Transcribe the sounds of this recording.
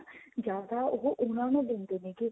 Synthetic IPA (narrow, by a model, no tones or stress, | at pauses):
d͡ʒaːd̪aːʊɦoʔʊnãːnũːd̪eːnd̪eːnẽki